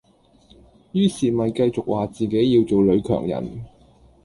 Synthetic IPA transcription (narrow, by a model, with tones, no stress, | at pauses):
jyː˥siː˨mɐ˨jkɐ˧jt͡sʊ˨k̚waː˨t͡siː˨ke˨˥jːiː˧wt͡so˨wlɵ˨˧ɥkʰœ̰ː˨˩ŋjɐ̰˨˩n